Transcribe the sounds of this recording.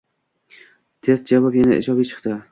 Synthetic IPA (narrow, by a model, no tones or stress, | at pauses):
t̪ʰe̞st̪̚d͡ʒavɒpjanaɪ̰d͡ʒɒbijt͡ʃʰɨ̥qt̪ɪ